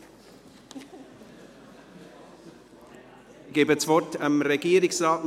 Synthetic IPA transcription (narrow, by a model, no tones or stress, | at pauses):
ɡ̥eːbət͡svɔtʰamɾeɡiːəɾɪksraːt